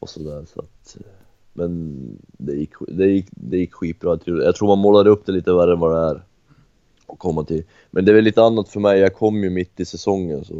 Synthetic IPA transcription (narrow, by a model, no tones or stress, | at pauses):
ʔɔ̰sɔd̪æːɾʂa̰t̪ | mʔɛn | d̪ɛjɪkːd̪ɛjɪkːd̪ɛjɪkːɧiːt̪̚bɾɑːjat̪ʰuːjɑt̪ʰɾuːɾmanmɔlːad̪əɵp̚ːd̪ɛliːt̪əvæɾənvɑd̪ɛæɾ | ɔkʰɔmːat̪ʰɪl | mʔɛnd̪ɛvɛliːt̪əanːat̪fœɾmɛjjɑkʰɔmːjɵmɪt̪ːɪsɛsɔŋːənsɔ